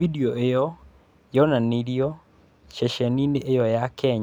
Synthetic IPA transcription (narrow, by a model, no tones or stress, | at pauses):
idioʔejɔ | jɔnaniɾiɔ | ʃɛʃɛnineʔejɔjakʰɛɲ